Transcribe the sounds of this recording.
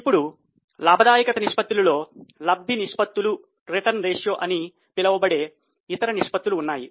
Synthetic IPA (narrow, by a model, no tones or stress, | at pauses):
ipːuɽu | laːbʱɐd̪aːjɐkɐt̪ɐniʂpɐt̪ːulɐlo̞ːlɐbʱiniʂpɐt̪ːulu | ɾiʈɐɾnɾeːʂjoːʔɐni | pilɐʋɐbɐɽe̞ː | it̪ɐɾɐniʂpɐt̪ːuluːnːaːji